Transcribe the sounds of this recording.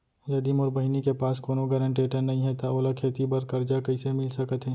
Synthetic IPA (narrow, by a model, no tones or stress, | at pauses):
jɐd̪imʊɾbəɦɪnikepaːskoːnoɡəɾə̃ɳʈeːʈəɾnɐɦĩɦɛt̪aoːlakʰeːt̪ibɐɾkɐɾd͡ʒakɐisemɪlsɐkət̪ɦɛː